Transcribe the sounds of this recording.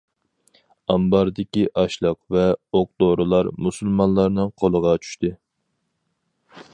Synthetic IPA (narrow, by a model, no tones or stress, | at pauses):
ɑmbɑɾd̪ɪkʲiʔɑʃlˠəqvɛoq̚d̪oɾɨlˠɑɾmusɨlˠmɑnlˠɑɾnɨŋqʰolˠəʁɑt͡ʃʰy̥ʃt̪ɨ